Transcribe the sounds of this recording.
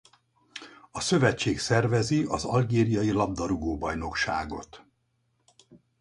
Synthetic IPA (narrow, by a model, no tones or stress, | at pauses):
ɒsø̞vɛt͡ʃːeːksɛrvɛziʔɒzɒ̰lɡeːɾijɒjilɒb̚d̪ɒɾuɡoːbɒjno̞kʃa̰ːɡo̞t̪